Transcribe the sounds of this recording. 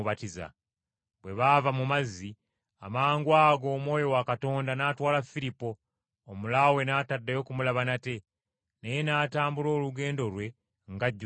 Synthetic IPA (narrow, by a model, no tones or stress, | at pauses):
βatiza̰ | bwe̞βavamumazːi | amaːŋɡwaːɡo̞ːmwo̞ːjo̞wakato̞ːndanaːtwaːlafilipo̞ː | mulawe̞naːtadːajo̞kumulaβanate̞ | neje̞naːtaːmbulo̞ːluɡe̞ːndo̞ɾwe̞ | ŋɡaɟː